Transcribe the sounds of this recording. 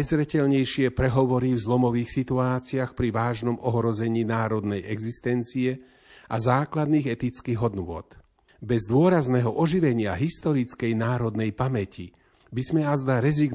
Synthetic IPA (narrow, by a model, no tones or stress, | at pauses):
jzɾɛcɛʎɲɛjʃɪɛpɾɛɦɔʋɔɾivzlɔmɔʋiːxsit̪uaːt͡siaxpɾiʋaːʒnɔmɔɦɾɔzɛɲiːnaːɾɔd̪nɛjɛɡzist̪ɛnt͡siɛ | ʔazaːklad̪niːɣɛt̪it͡skiːɣɦɔd̪nʊɔ̰t̪ | bɛzd̪ʊɔɾaznɛɦɔʔɔʒiʋɛɲɪaɦist̪ɔɾit͡skɛjnaːɾɔd̪nɛjpamɛcʰi | bizmɛazd̪aɾɛziɡ